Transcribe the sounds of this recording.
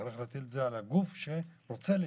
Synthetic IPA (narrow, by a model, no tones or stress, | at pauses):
aɾiχleat̪ilzealaɡufʃe̞ɾo̞t͡se̞li